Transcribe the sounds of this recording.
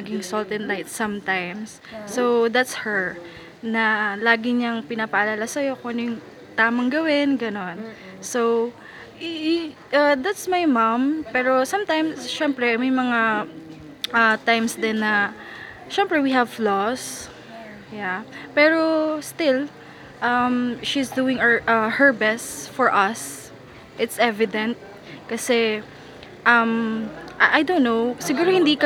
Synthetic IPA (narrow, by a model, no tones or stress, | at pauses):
mɐɡɪŋsɔlt̪ɛnlajt̪sɐmt̪ajmsː | owd̪at̪shɛɹ | nɐlaːɡɪɲɐŋpɪnapɐʔɐlaːlasɐjo̞konjʊŋ | t̪aːmɐŋɡɐwɪnɡɐno̞n | sow | ʔad̪at̪smajmampɛːɾo̞sɐmt̪ajmsʃɛmpɾɛmɐjmɐŋa | ʔɐt̪ajmsd̪ɪnːɐ | ʃɛmpɹɛwiɦɐvlɔs | japɛːɹost̪ɪl | ʔɐmʃisd̪uːɪ̃ŋʔɐhɛɹbɛst̪fɔɹʔɐs | ʔɪt̪sʔɛvɪd̪ɛ̃nt̪̚ | kɐsɛ | ʔɐmʔaʔajd̪onnːowsɪɡuːɾohɪ̃nd̪iːʔkɐ